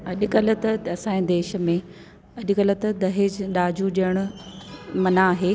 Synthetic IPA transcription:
ɐʄʊkɐlət̪ɐɐsãːĩd̪eːʃə̆mẽ | ɐʄʊkɐlət̪ɐd̪ɐɦed͡ʑɗaːd͡ʑuɗiəɽ̃ʊ̆ | mɐnaːɦeː

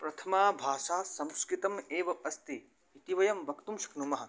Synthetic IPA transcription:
pɾɐt̪ʰɐmaːbʱaːʃaːsɐmskɾit̪ɐmeːʋɐʔɐst̪iː | t̪iʋɐjɐmbʱɐkt̪umʃɐ̥knumɐɦɐ̆

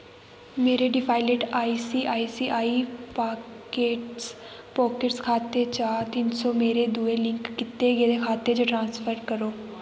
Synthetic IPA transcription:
meːɾeːɖɪpʰaːɪleːʈaːiːsiːʔaːiːsiːʔaːiːpaːkkeːʈs | pɔːkɪʈskʰaːt̪eːt͡ʃaːɾt̪ɪnsɔːmeːɾeːd̪uːeːlɪ̃ŋkːɪt̪eːɡeːd̪eːkʰaːt̪eːd͡ʒoːʈɾãːnspʰəɾkəɾoː

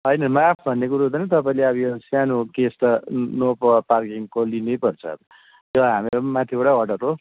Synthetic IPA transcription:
ɦʌjnʌmapʰbʱʌnːekuɾaɦud̪ʌnʌt̪ʌpaĩleʌbijosanukesʈ̪ʌnopparkiŋkolinejpʌrt͡sʰʌ̰ | jʌɦamimat̪ʰioʈawʌʈʌɾo

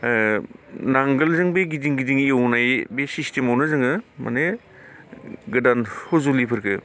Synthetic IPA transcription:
naŋɡɯlzɯŋbeɡidiŋɡidiŋiewnajbesistemawnɯzɯŋɯma̰ne | ɡɯdanhozulipʰɯɾkʰɯ

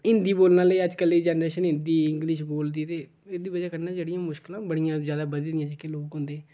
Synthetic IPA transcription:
ɪ̃nd̪iːboːlnãːləiːəd͡ʒkəlːiːd͡ʒɛːnɾeːʃənɪ̃nd̪iːɪŋɡlɪʃboːld̪iːt̪eː | eːd̪iːbəd͡ʒaːkəɾnãːd͡ʒeːɽɪjãːmʊʃkɪlãːbəɽijãːzjaːd̪aːbəd̪d̪ɪjãːd͡ʒekeloːkɦʊ̃nd̪eːɛ̃ː

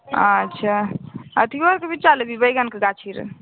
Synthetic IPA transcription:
ətːʃʰaət̪ʰiaɾkebit͡ʃt͡ʃaləɡibəjɡankeɡat͡ʃʰiɾ̰

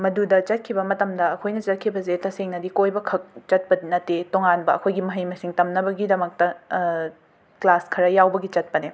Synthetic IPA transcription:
mɐdudɐt͡ʃɐt̚kʰibɐmɐtɐmdɐɐkʰojnɐt͡ʃɐt̚kʰibɐzetɐseŋnɐdikojbɐkʰɐk̚t͡ʃɐt̚pɐdinɐtːetoŋanbɐɐ̰kʰojɡimɐɦɐjmɐsiŋtɐmnɐbɐɡidɐmɐk̚tɐ | klaskʰɐɾɐjawbɐɡit͡ʃɐt̚pɐne

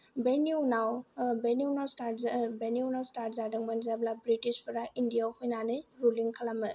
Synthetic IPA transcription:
beniwnawbeniwnawstaɾbeniwnawstaɾtzadɯŋmanzablabɾitispʰɔɾaindijawhujnanɯjɾuliŋkʰalamɯ

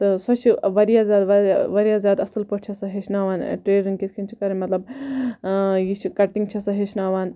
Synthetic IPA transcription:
t̪ɨsɐt͡ʃʰiʋɐɾijaːzʲjaːd̪ʋɐʋɐɾijaːzjaːd̪ɐsɨlpɐʈ̚t͡ʃʰɐsɐɦet͡ʃʰnaːʋaːnʈɾeːɾiŋɡkit̪ʰkʰint͡ʃʰi̥kɐɾɐnʲmɐt̪lɐb | jit͡ʃʰikɐʈːĩŋɡt͡ʃʰɐsɐɦet͡ʃʰnaːʋaːn

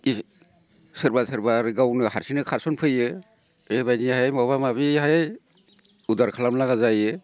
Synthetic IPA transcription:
i | sɯɾbasɯɾbaɾɡawnɯhaɾsinɯkʰaɾsɔnpʰɯjɯ | ebajnihajmɔβamaβiɦaj | udaɾkʰalamlaɡazajɯ

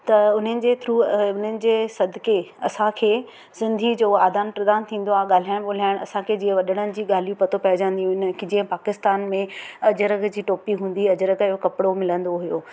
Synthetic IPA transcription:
t̪ɐʊn̤ənɪ̆d͡ʑeːt̪ʰɾuːʊn̤ənɪ̆d͡ʑeːsɐd̪ʱkʰeːɐsãkʰeː | sɪ̃nd̪ʱid͡ʑoːaːd̪aːnpɾɐd̪aːnt̪ʰĩːn̆d̪oaːɠaːl̤aːɪɽ̃ɓoːl̤aːɪɽ̃ɐ̰sãkʰeːd͡ʑĩːə̃ʋɐɗəɽ̃ənɪ̆d͡ʑiːɠaːl̤ijũpɐt̪opɐɦɪd͡ʑə̃nd̪iũɦɪnɪ̆kid͡ʑĩːə̃paːkɪst̪aːnmẽɐd͡ʑəɾəkd͡ʑiːʈoːpiɦũːnd̪iɐd͡ʑəɾəɡɪɦokɐpɪɽomɪlə̃nd̪oɦujoː

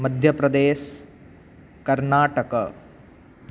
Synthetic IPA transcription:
mɐd̪ʱjɐpɾɐd̪eːʃ | kɐɾnaːʈɐkɐ

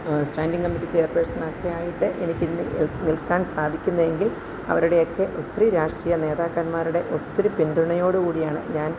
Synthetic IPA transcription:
sʈaːnɖiŋkɐmːiʈːit͡ɕejːɐrpersɐnokːejaːjiʈːɨʔe̞̰nikʲːɨnilkːaːnsaːd̪ʱikʲːunːɐðe̞ŋɡil | ɐ̰ʋɐɾuɽe̞okːe̞ʔot̪ːriɾaːʂʈrijɐne̞ːðaːkːɐnmaːɾuɽe̞ʔo̞t̪ːiɾupind̪uɳɐjo̞ːɽɨkuːɽijaːɳɨ̰ɲaːn

